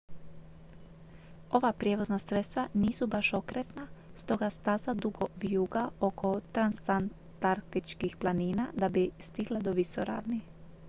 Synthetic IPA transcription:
o̞ʋapɾjeʋo̞znasɾet̪st̪ʋaniːsubaʃo̞kɾet̪nast̪o̞ɡast̪azad̪uɡo̞ʋijuːɡao̞ko̞t̪ɾanst̪an | t̪aɾkt̪it͡ʃkixplˠaniːnad̪abist̪iɡlˠad̪o̞ʋisoɾa̰ːʋni

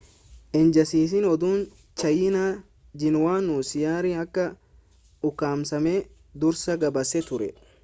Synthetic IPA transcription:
ʔɛnd͡ʒɐsiːs̬ɪnɔd̪uːn | t͡ʃɐjɪna | d͡ʒɪnwaːnuːsɪjaːɾiɐkːɐ | ʊkːaːmsɐmeː | d̪ʊɾsɐɡɐbɐsɛt̪ʊɾɛ

